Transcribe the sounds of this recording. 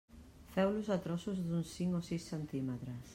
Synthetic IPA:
fɛwlusat̪ɾɔsuzðunsθiŋosisent̪imet̪ɾas

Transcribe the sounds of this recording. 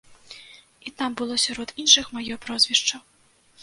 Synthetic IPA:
it̪ambɨlˠɔsʲaɾɔd̪inʂɨxmajɔpɾɔzʲvʲiʂt͡ʂɐw

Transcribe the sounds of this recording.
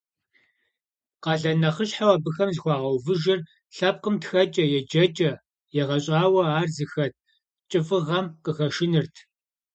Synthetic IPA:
qɑːɮɐnɐχəɕħawɐbɨxɐmzxʷɑːʁɐwvɨʒɪr | ɬɐp̚qəmtxɐt͡ʃʼɐjɛd͡ʒɐt͡ʃʼɐ | jɛʁɐɕʼaːwɐaːrzɨxɐt̚ʰ | t͡ʃʼɨfɨʁɐmqəxɐʃɪnɨrtʰ

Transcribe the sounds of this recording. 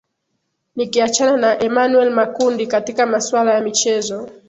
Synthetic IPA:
nikiat͡ʃananaʔɛmanuɛlmakundikatikamaswalajamit͡ʃɛzɔ

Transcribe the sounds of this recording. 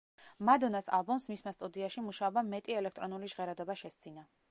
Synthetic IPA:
mad̪ɔnasa̰lˠbɔmsmismast̪ʼud̪iaʃimuʃaɔbamɛt̪ʼiɛlɛkʰt̪ʼɾɔnuliʒʁɛɾad̪ɔbaʃɛst̪sʰʼina

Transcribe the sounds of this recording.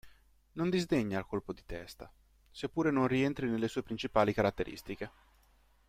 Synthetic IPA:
nond̪izd̪eɲːaːlkolpod̪it̪ɛst̪a̰ | sepːuːɾenonrient̪ɾinelːesuːepɾint͡ʃipaːlikaɾat̪ːeɾʔḭst̪ik̟e

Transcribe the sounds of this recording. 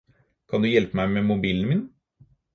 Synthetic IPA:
kʰɑnd̪ʉjɛlpəmæɪmɛmʊbiːlənəmɪːn

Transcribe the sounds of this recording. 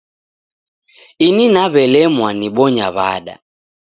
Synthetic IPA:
ininaβɛlɛmwaniɓɔɲaβa̰ɗa̰

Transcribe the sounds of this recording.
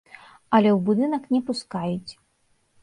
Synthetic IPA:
ɐlʲɛwbud̪ɨnɐknʲɛpuskajut͡sʲ

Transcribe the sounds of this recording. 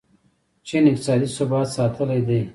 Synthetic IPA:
t͡ʃenɪk̚t̪ɪ̥sɑːd̪isubɑːt̪sɑːt̪ʰəlajd̪ej

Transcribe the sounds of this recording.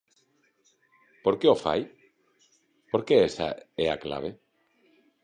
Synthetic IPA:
poɾkeofa̰j | poɾkeɛsa̰ɛa̰kla̰β̞e

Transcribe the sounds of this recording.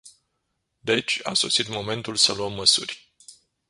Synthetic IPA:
d̪e̞t͡ʃʲa̰so̞̰sit̪mo̞me̞nt̪ulsəluəmːəsṵrʲ

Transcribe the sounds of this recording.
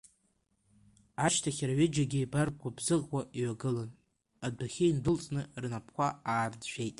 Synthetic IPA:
aʃtʰaχʲaraɥɪd͡ʒaɡʲijbar̚kʷabzɨʁkʷaʔiɥaɡɨlan | adaχʲeindɨlt͡sʼnɨrnapʰkʷaaːrd͡zʒʷᶣejtʼ

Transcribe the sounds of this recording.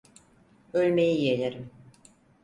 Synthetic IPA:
ølʲmejijelʲeɾim

